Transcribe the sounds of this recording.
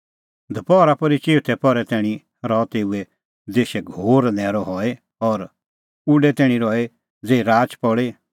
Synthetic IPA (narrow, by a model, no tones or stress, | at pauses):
d̪ʱɐpɔɾapɔɾit͡ʃeːt̪ʰɛpɔɾɛt̪ɛːɽ̃ĩ | ɾɔt̪eːuɛ | d͡zeːʃɛɡʱoːɾnɛ̃ːɾɔɦɔe | ɔɾ | uɖɛt̪ɛːɽ̃ĩɾɔe | d͡zeːɾaːt͡ʃpɔɽe